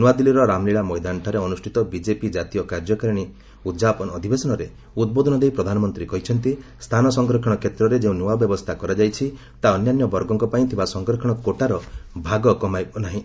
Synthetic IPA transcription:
nuwad̪iliɾɔɾamliɭamɔjd̪aɳʈʰaɾeɔnusʈʰit̪ɔbid͡ʒepid͡ʒat̪ijɔkaɾd͡ʒɔkaɾiɽ̃i | ud͡ʒapɔnɔd̪ʱibesɔnɔɾe | ud̪̚bod̪ʱɔnɔd̪ejpɾɔd̪ʱanɔmɔnt̪ɾikɔɦit͡ʃʰɔnt̪ist̪ʰanɔsɔŋɡɾɔkʰɔɽ̃ɔkʰet̪ɾɔɾed͡ʒeũnuwabjɔbɔst̪ʰakɔɾad͡ʒajt͡ʃʰi | t̪aɔnjanjɔbɔɾɡɔŋkɔpaĩt̪ʰibasɔŋɡɾɔkʰɔ̃ɔkoʈaɾɔbʱaɡɔkɔmajbɔnaɦĩ

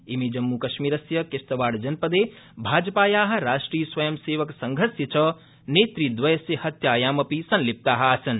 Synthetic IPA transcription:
imid͡ʒɐmːukɐʃmiːɾɐsjɐkest̪ɐʋaːɽd͡ʒɐnpɐd̪eː | bʱaːd͡ʒɐpaːjaːɦɐ̆ɾaːʂʈɾiːjɐsʋɐjɐmseːʋɐksɐŋɡʱɐɾsjɐt͡ʃɐ | neːt̪ɾid̪ʋɐjɐsjɐhɐt̪jaːjaːmɐpisɐnlip̚t̪aːɦɐɐsɐn

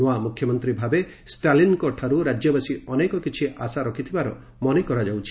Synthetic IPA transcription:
uamukʰjɔmɔnt̪ɾibʱabe | sʈalinkɔʈʰaɾuɾad͡ʒjɔbasiɔnekɔkit͡ʃʰiʔasaɾɔkʰit̪ʰibaɾɔ̰ | mɔnekɔɾad͡ʒawt͡ʃʰi̥

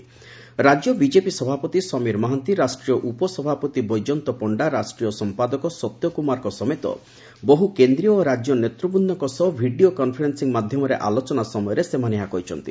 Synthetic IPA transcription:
ɾad͡ʒjɔbid͡ʒepisɔbʱapɔt̪isɔmiɾmɔɦant̪iɾasʈɾijɔʔupɔsɔbʱapɔt̪ibɔjd͡ʒɔnt̪ɔpɔɳɖaɾasʈɾijɔsɔmpad̪ɔkɔsɔt̪jɔkumaɾɔkɔsɔmet̪ɔ̰ | boɦukend̪ɾiɔːɾad͡ʒjɔnet̪ɾubunːɔkɔsɔbʱiɖiokɔnpʰɔɾensiŋmad̪ʱjɔmɔɾeʔalot͡ʃɔnasɔmɔjɔɾesemaneɦakɔɦit͡ʃʰɔnt̪i

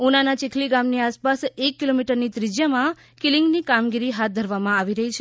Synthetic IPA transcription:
unanat͡ʃikʰliɡamniaspasekːilomiʈəɾnit̪ɾid͡ʒjamã | kilɪŋɡnikamɡiɾiɦat̪̚d̪ʱəɾʋamãaʋiɾəɦit͡ʃʰe

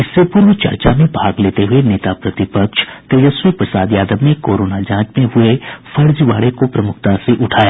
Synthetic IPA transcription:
ɪsːepʊɾʋət͡ʃɐ̰ɾt͡ʃamẽbʱaːɡleːt̪eɦʊeneːt̪apɾɐt̪ɪpəkʃt̪eːjəswipɾəsaːd̪jaːd̪əbnẽkoːɾoːnad͡ʒãːt͡ʃmẽɦʊefʰɐɾd͡ʒʋaːɽekopɾɐmʊk̚ʰt̪aseʔʊʈʰaːjaː

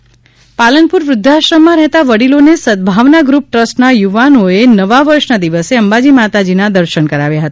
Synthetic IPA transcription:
palənpuɾʋɾʊd̪ʱːaʃɾəmːãɾɛɦt̪aʋəɽilonesəd̪̚bʱaʋnaɡɾup̚ʈɾəsʈnajuʋanoenəʋaʋəɾʃnad̪iʋəseəmbad͡ʒimat̪ad͡ʒinad̪əɾʃənkəɾaʋjaɦət̪a

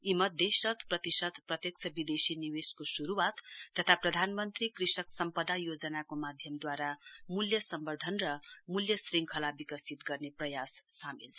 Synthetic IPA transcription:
imʌt̪̚d̪esʌt̪prʌt̪isʌt̪prʌt̪jʌkt͡sʰʌbid̪esiniweskosuɾuwat̪ːʌt̪ʰaprʌd̪ʱanmʌnt̪rikrisʌksʌmpʌd̪ajod͡zʌnakomad̪ʱjʌmd̪waɾamuljʌsʌmbʌrd̪ʱʌnrʌmuljʌsriŋkʰʌlabikʌsit̪ɡʌrneprʌjasːamilt͡sʰ

